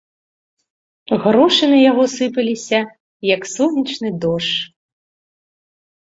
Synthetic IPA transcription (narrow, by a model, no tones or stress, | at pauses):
ɣɾɔʂɨnɐjaɣɔsɨpɐlʲisʲɐ | jɐksɔnʲɐt͡ʂnɨd̪ɔʂ